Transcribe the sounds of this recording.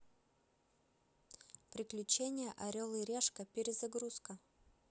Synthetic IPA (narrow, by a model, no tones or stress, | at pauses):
pɾʲɪklʲʉt͡ɕenʲɪjəʔɐɾʲolˠɨɾʲeʂkəpʲɪɾʲɪzɐɡɾuskə